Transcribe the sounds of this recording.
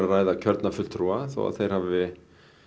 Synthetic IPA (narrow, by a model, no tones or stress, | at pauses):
ɾaraːjðacʰœɾt̪nafʏl̥t̪ɾuaθo̰a̰ðθejɾ̥havɪ